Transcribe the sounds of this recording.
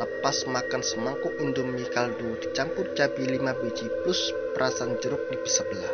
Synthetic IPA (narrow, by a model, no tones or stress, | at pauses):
ləpasmakansəmɔŋkʊʔund̪umːikaldud̥it͡ʃampʊrd͡ʒabilimabed͡ʒipʊs | pəɾʔasand͡ʒəɾʊk̚dib̥əsəbəlah